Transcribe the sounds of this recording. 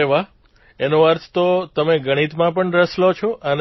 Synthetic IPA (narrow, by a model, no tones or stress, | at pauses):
eʋa | enoəɾt̪ʰt̪ot̪əmeɡəɽ̃it̪mãpəɳɾəslot͡ʃʰoʔən